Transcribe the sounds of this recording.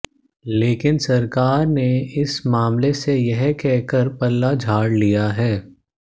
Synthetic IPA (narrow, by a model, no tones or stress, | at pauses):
leːkɪnsɐɾkaːɾneɪsmaːmlesejɛɦkɛɦkəɾpɐlːad͡ʒʱaːɽlijaɦɛː